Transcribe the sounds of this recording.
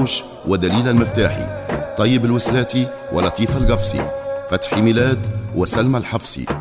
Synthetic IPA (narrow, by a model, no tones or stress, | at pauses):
ʃ | wɪd̪æliːlælmɪft̪aːħḭt̪ˤːɑjːɪbɪlwɪslæːt̪i | wʔɪ̰lːɑt̪ˤiːfalɡɑfsḭfat̪ħimɪlæːd̪wɪsalmalħɑfsḭ